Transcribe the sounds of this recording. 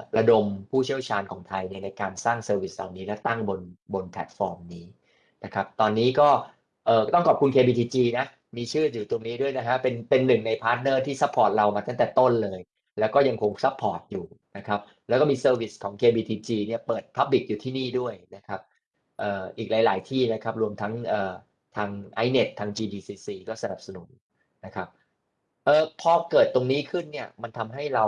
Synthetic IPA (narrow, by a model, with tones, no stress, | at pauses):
ɾa˧do˧mpʰuː˥˩t͡ɕʰi˥˩əwt͡ɕʰaː˧nkʰɔː˩˦ŋt̪ʰa˧jni˥˩ɐna˧jkaː˧nsaː˥˩ŋsɤː˧wi˨˩s̚la̰˨˩wniː˦˥lɛː˦˥wt̪a˥˩ŋbo˧nbo˧npʰɛ̰˨˩t̪̚fɔː˧mniː˦˥ | na˦˥kʰa˦˥p̚t̪ɔː˧nːiː˦˥kɔː˥˩ | ʔɤː˨˩t̪ɔ˥˩ŋkɔː˨˩p̚kʰu˧nkʰeː˧biː˧t̪ʰiː˧t͡ɕiː˧na˦˥ | miː˧t͡ɕʰɯː˥˩juː˨˩t̪u˧ŋniː˦˥du˥˩əjna˦˥kʰa˦˥pe˧npe˧nːɯ˨˩ŋna˧jpʰaː˦˥t̪̚nɤː˥˩t̪ʰiː˥˩sa˦˥pʰːɔː˨˩t̪̚ɾa˧wmaː˧t̪a˥˩ŋt̪ɛː˨˩t̪o˥˩nlɤː˧j | lɛ˦˥wkɔː˥˩ja˧ŋkʰo˧ŋsa˦˥pʰːɔː˨˩t̪̚juː˨˩na˦˥kʰɾa˦˥p̚ | lɛː˧˦˥wkɔ˥˩miː˧sɤː˧wi˦˩skʰɔː˩˦ŋkʰeː˧biː˧t̪ʰiː˧t͡ɕiː˧ni˥˩ɐpɤː˨˩t̪̚pʰa˦˥p̚li˨˩k̚juː˨˩t̪ʰiː˥˩niː˥˩du˥˩əjna˦˥kʰa˦˥p̚ | ʔɤː˨˩ʔiː˨˩k̚laː˩˦jlaː˨˩˦jt̪ʰiː˥˩na˦˥kʰa˦˥p̚ɾu˧əmt̪ʰa˦˥ŋʔɤː˨˩ | t̪ʰaː˧ŋʔa˦˥jne˨˩t̪ʰːaː˧ŋt͡ɕiː˧diː˧siː˧siː˧kɔː˥˩sa˧na˨˩p̚sa˧nu˩˦n | na˦˥kʰa˦˥p̚ | ʔɤː˨˧pʰɔː˧kɤː˨˩t̪ːo˧ŋniː˦˥kʰɯ˥˩nːi˥˩ɐma˧nt̪ʰa˧mɦa˥˩jɾa˧w